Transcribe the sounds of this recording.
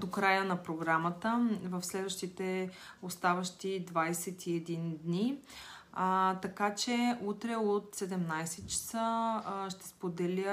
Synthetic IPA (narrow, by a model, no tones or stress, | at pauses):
d̪okɾajənɐpɾoɡɾamət̪əvəfslɛd̪vəʃt̪it̪ɛost̪avɐʃt̪id̪vajsɛt̪ʰiɛd̪ind̪ni | t̪ɐkat͡ʃɛut̪ɾɛot̪sɛd̪ɛmnajsɛt̪t͡ʃə̥səʃt̪ɛ̥spod̪ɛlʲə